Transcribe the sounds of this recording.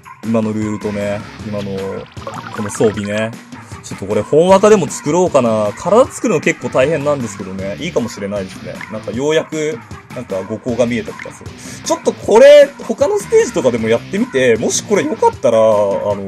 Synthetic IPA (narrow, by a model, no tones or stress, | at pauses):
imano̞ɾɯ̟ːɯt̪o̞neimano̞ko̞no̞so̞ːbʲine̞t͡ɕo̞t̪ːo̞ko̞ɾe̞hõ̞ɰ̃akad̪e̞mo̞t͡sɨ̥kɯ̟ɾo̞ːkanakʰaɾad̪at͡sɨ̥kɯ̟ɾɯ̟noke̞kːoːt̪aihẽ̞nːãnd̪e̞sɨ̥ke̞d̪o̞ne̞ʔiːkamo̞ɕiɾe̞naid̪e̞sɨnḛnãŋkajo̞ːjakɯ̟nãŋkaɡo̞ko̞ːɡamʲie̞t̪at̪o̥ka̰sot͡ɕo̞t̪ːo̞kʰo̞ɾe̞ho̞kano̞sɨ̥t̪e̞ːʑit̪o̞kad̪e̞mo̞jat̪ːe̞mʲit̪e̞mo̞ɕi̥ko̞ɾe̞jo̞kat̪ːaɾaːno̞